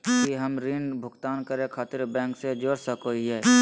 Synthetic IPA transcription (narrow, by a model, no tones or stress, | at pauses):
kiɦɐmɾinbʱʊɡt̪aːnkɐɾẽkʰaːt̪ɪɾbɛ̃ːŋksed͡ʒoːɾsɐkoːiɦɛː